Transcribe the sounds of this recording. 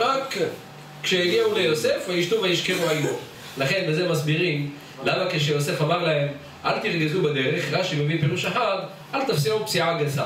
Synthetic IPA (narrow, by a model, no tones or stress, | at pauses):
ʁakː | ʃejaɡiaulejose̞fajiʃtuvejiʃkeʁuajo | laχe̞nbezemasbiʁim | lamakeʃ̬ejo̞se̞famaʁlahe̞m | ʔalt̪iʁɡizubed̪eʁeχʁaʃimevipeʁuʃaħad | ʔalt̪afsiupsiʕaɡasa̰